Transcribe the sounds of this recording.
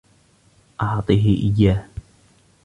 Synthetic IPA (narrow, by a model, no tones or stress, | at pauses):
ʔɑʕt̪ˤɨːɦɪʔɪjːaːh